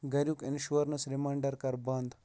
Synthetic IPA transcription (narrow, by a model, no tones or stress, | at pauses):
ɡɐɾjukinʃuɐɾnɐsɾimɐːɳɖɐɾkɐɾbɐnd̪